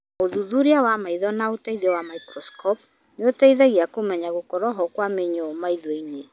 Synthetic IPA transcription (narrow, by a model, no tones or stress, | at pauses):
oðuðuɾiawamaiðɔnaotaiðɔwamaikɾɔskʰɔp̚ | neotaiðɛɣiakomɛɲaɣokɔɾɔɦɔkwameɲɔmaiðwine